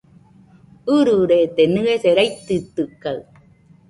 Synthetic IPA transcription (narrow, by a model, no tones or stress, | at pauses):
ɯɾɯɾet̪enɯeseɾajt̪ːɯt̪ːɯkːaɯ